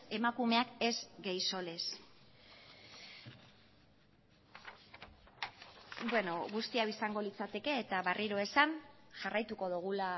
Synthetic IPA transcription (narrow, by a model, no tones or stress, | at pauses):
e̞makume̞ake̞zɡejso̞le̞s | bwe̞no̞ɣust̪iawisaŋɡo̞lit͡sat̪e̞ke̞ːt̪aβariɾo̞e̞sanʝarajt̪uko̞ðuɣ̞ula